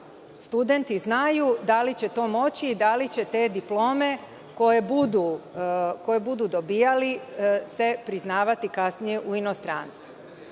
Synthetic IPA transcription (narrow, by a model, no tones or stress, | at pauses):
st̪ud̪e̞nt̪iznajud̪alit͡ɕe̞t̪o̞ːmo̞t͡ɕiːd̪alit͡ɕe̞t̪e̞ːd̪iplo̞ːme̞ | ko̞jebud̪u | ko̞jebud̪ud̪o̞biːjalise̞pɾiznaːʋat̪ikasnije̞ʔuino̞st̪ɾanst̪ʋu